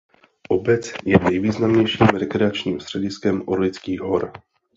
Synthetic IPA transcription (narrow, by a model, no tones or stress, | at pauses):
ʔobɛt͡sjɛnɛjviːznamɲɛjʃiːmɾɛkɾɛat͡ʃɲiːmst̪r̝̥ɛɟɪskɛmʔoɾlɪt͡skiːɦoɾ